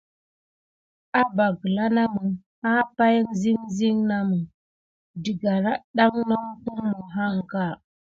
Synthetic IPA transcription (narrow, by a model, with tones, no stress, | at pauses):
a˦ba˨ɡə˨la˦na˦mə˨ | ha˦pa˦ji˦ŋzi˦ŋzi˦ŋna˦mu˨ | di˨ɡa˨ɾa˦ɗa˦ŋno˦ŋku˦ŋmə˨ɦa˦ŋ˨ka˦˨